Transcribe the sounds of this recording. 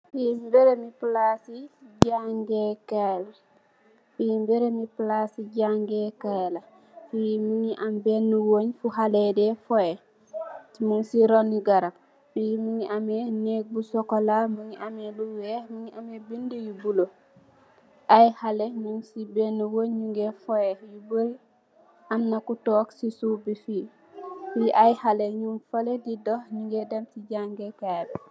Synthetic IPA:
bimbɛɾemiplasiɟaŋɡɛkala | fimbɛɾemiplasiɟaŋɡɛkajla | fimuɲiʔambɛnːuwoɲfuhalɛdɛfɔɛ | timuŋsiɾoniɡaɾab̚ | biimuɲiʔamɛneːk̚busɔkolamuɲiʔameluwɛhmuɲiʔamebindijubulo | ʔajhaleɲuŋsibeːnːuwoːɲɲuŋɡefojejubul | amnakutɔːksisubifi | iʔajhaleɲunfoledidohɲuŋɡedemtiɟaŋɡekab

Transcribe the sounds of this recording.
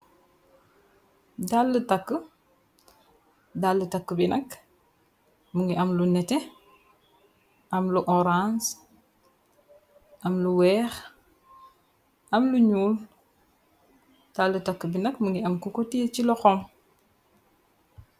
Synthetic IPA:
dalːutakːə | dalːutakːəbinɐk | muŋɡiʔɐmlunɛtɛ | ɐmluʔɔɾãns | ʔɐmluwɛːx | ʔɐmluɲuːl | d̥alːutakːəbinɐkmuŋɡiɐmkukotit͡ʃilɔxɔm

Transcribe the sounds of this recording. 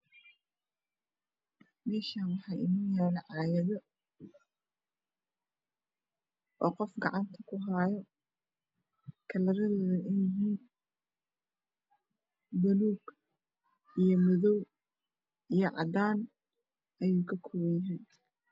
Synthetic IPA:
mɛːʃaːnwɑħɑːjʔɪ̰nɔːjɛːlɛʕɑːjɐðɔ | ʔɔːqɔfɡɑ̰ʕɑnt̪ʰɐkʰʊɦaːjɔ | kʰɐlɐɾɐðɔːðɐʔɛjɪɦiːn | bɐluːɡ | ijɞmʊðɔw | ijɞʕɑ̰d̪aːn | ʔɐjuːkʰɐkʰɔwɛjɦɛn

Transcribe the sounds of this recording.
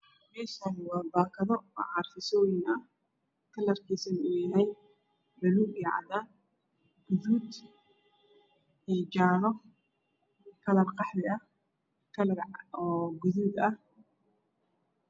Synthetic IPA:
mɛːsanwɑːbaːkʰɐðɔ̰ʕɑːrfɪsɔwɛjnɐ | kʰɐlɐrkʰiːsɐnuːjɐɦɛj | bɐluːɡɪʕɑ̰ðaːn | ɡ̥ʊðuːd̪ | iːd͡ʒaːlɔ | kʰɐlɐrqɑħðɪɐ | kʰɐlɐɔːɡʊðuːd̪ɐh

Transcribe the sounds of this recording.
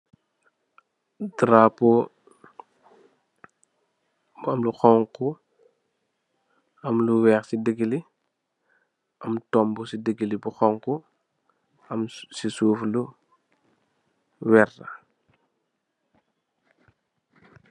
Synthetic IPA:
dɾaːpo | ɐmluxɔŋku | ɐmluwɛːxsidəɡəli | ʔɐmtɔmbusidəɡəlibuxɔŋku | ɐmsisuːflu | wɛrɐ̰

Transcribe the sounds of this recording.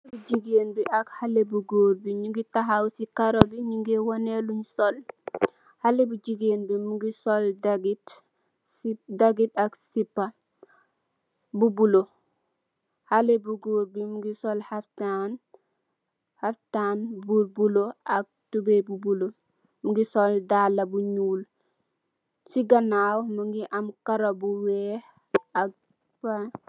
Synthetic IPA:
bud͡ʒiɡenbiʔakhalebuɡoːɾbiɲuŋɡitaɦawsikaɾobiɲuŋɡewoneluɲsol | halebud͡ʒiɡeːnbimuɡisoldaɡit | sidaɡitaksipːa | bubulo | halebuɡuɾbimuɡisolhaɾtan | haɾtanbuɾbuloak̚tubebubulo | muɡisoldalːabuɲuːl | t͡ʃiɡanawmuŋɡiʔamkaɾobuwɛh | ak̚ | pa

